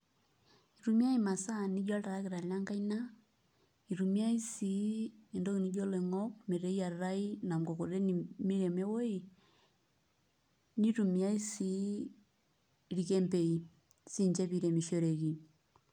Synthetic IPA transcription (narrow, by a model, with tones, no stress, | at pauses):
i˨ɾu˨mja˦i˨ma˨sa˦˨ni˦d͡ʒa˦lta˨ɾa˦ki˨ɾa˨lja˦ŋka˦i˦na˦ | i˨ɾu˨mja˦i˦si˨˦e˨ndo˦ki˨ni˦d͡ʒo˦le˨ŋɔ˦k̚me˨ɾe˦i˦a˨ra˦i˦na˨mɡo˨ko˨ɾe˦ni˨mi˦ɾe˨me˦wo˦i˨ | ni˦ɾu˨mi˨a˦i˦si˨˦˨ | ɾi˨ke˦mpe˨i˨ | si˦ɲt͡ʃe˦pi˨˦ɾe˨mi˨ʃo˦ɾe˨ki˨